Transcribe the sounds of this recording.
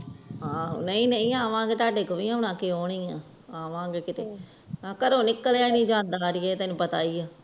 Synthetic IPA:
ɦãːnəĩːnəĩːaːʋãːɡeːt̪aːɖeːkoːʋiːãːʊnãːkeːoːɽiːãː | aːʋãːɡeːkɪt̪eː | kəɾõːnɪkːəlaːnĩːd͡ʒãːnd̪aːɾɪjeːt̪ɛːnũːpət̪a̰ːiːaː

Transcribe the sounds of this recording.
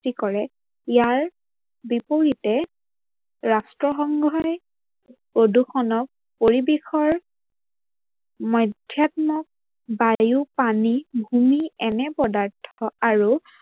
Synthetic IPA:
tikɔɹɛ | ijaɹ | bipoɹitɛ | ɹastɹɔxɔŋɡʱɔj | poduxʰɔnɔk̚ | poɹibexɔɹ | mɔjdʱjat̚mɔk̚ | bajupanibʱumiɛnɛpɔdaɹtʰɔaɹu

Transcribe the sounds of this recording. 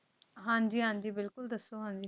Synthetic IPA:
ɦãːnd͡ʒ̪iːɦãːnd̪iːbɪlkʊld̪əsːoːɦãːnd̪iː

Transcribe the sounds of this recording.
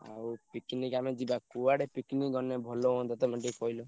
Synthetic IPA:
a̰upikniɡamed͡ʒibakuwaɽepikniɡɔnebʱɔloɔ̃d̪ɔt̪ɔmɔɳʈikɔjlo

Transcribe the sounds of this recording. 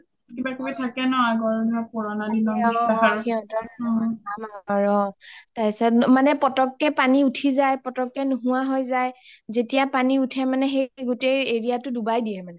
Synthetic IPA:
kibakobitʰakɛnɔaɡɔɹdɔpɔɹɔnadibɔɔaxiɔntɔamaɹɔtajsɔmanɛpɔtɔkːɛpaniutʰizajpɔtɔkːɛnuɦuwaɦɔjzajzetijapaniutʰɛmanɛxeɡʊtejeɹijatʊdubajdiɛmanɛ

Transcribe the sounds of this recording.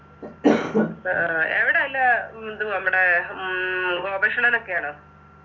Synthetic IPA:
ḛʋiɽeɐlːɐd̪unɐmːuɽe | ɡoːbɐʂɐɳɐnokːejaːɳɨ

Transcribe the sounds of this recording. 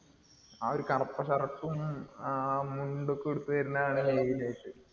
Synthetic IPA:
aoɾukɐrɐpːɐɕɐrɐʈːum | muɳɖukːeɽut̪ːuʋɐɾunːɐaːɳɨlejilejʈːɨ

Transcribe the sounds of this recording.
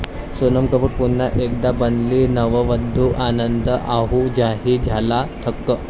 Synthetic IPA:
sonəmkəpuʈpunːaʔek̚d̪abənlinəʋəʋəd̪ʱːuʔanənd̪əʔaɦud͡ʑaɦid͡zʱalat̪ʰəkːə

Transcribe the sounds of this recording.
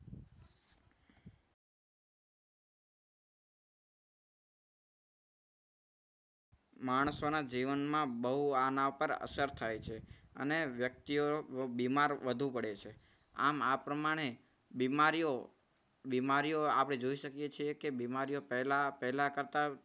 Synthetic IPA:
maɳ̃sonad͡ʒiʋənmãbəɦuanaʋpəɾə̰səɾt̪ʰajt͡ʃʰeə̰neʋjək̚t̪iobimaɾʋəd̪ʱũpəɽet͡ʃʰe | a̰mapɾəmaɽ̃e | bimaɾijo | bimaɾijoapɽ̃ed͡ʒoiʃəkjet͡ʃʰiekebimaɾijopɛɦlapɛɦlakəɾt̪a

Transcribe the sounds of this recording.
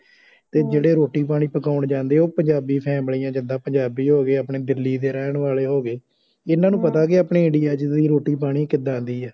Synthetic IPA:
t̪eːd͡ʒeːɽeːɾoːʈiːpaːɽ̃iːpəkaːʊɳd͡ʒãːnd̪eːoːpəɲd͡ʒaːbiːpʰɛ̃ːbəɽiːãːd͡ʒɪnd̪ãːpəɲd͡ʒaːbiːɦoːɡeːaːpɳeːd̪ɪlːiːd̪eːɾɛːɳʋaːleːɦoːɡeː | ɪnãːnũːpət̪aːkɪaːpɳeːɪɳɖiːaːd͡ʒd̪iːɾoːʈiːp̬aːɽ̃iːkɪd̪ãːnd̪iːɛː

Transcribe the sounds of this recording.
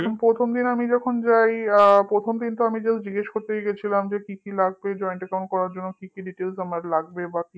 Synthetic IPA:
kʰonpɾot̪ʰomd̪inamid͡ʑɔkʰond͡ʑajpɾot̪ʰomd̪int̪oamid͡ʑesd͡ʑiɡeʃkoɾt̪eɡet͡ɕʰilamd͡ʑekikilaɡbed͡ʑɔeɳʈɛkaw̃ɳʈ̚kɔɾaɾd͡ʑonːokikiɖiʈelsamaɾlaɡbebaki

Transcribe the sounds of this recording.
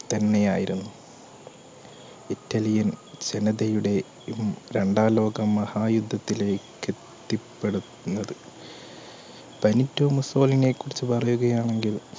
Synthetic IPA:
t̪ɐnːe̞jaːjiɾunːu | itːɐlijɐnd͡ʑenɐðɐjuɽe̞ | ɾeɳɖaːlo̞ːɡɐmːɐhaːjud̪ʱːɐt̪ːile̞ːkːet̪ːipːe̞ɽu | unːɐðɨ | b̥ɐnitːomuso̞ːlinekːurit͡ɕːɨpɐrɐjuɣɐjaːɳe̞ŋɡil

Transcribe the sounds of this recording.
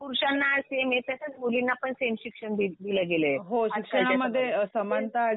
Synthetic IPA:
puɾɕanːaːɭsemet̪ãsat͡s̪mulinːapəɳsemɕikʂəɳd̪id̪iləɡeleɦoɕikʂəɳaməad̪ʱːjesəmant̪aː

